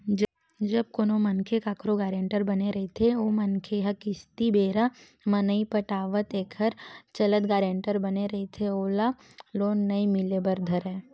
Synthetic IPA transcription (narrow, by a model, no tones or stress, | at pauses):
d͡ʒɐb̚koːnomɐnkʰekaːkɾoɡaːɾẽːɳʈəɾbɐneɾɐɦet̪ʰeoːmɐnkʰeɦakɪst̪ibeːɾa | mɐnəipəʈaːʋət̪eːkʰəɾt͡ʃɐlət̪ɡaːɾẽːɳʈəɾbɐneɾɐɦet̪ʰeoːla | loːnːɐimɪlebəɾd̪ʱəɾɛ̃ː